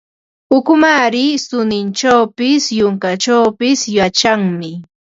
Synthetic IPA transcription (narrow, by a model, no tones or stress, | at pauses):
ʊkʊmaɾɪsʊnɪnt͡ʃawpɪsjʊŋkaʈ͡ʂawpɪsjat͡ʃaŋmɪ